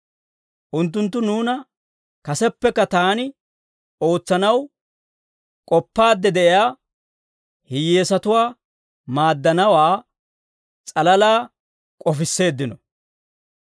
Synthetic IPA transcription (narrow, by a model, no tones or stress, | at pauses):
ʔʊnt̪ːʊnt̪̬ːʊnuːnɐ | kɐsɛpːɛkːɐt̪aːnɪ | o̞ːt͡sːɐnɐw | kʼɔpːaːd̪ːɛd̪ɛʔɪjaː | hɪjːeːsɐt̪ʊwaː | maːd̪ːɐnɐwaː | t͡sʼɐlɐlaː | kʼɔfɪsːe̞ːd̪ːɪnɔ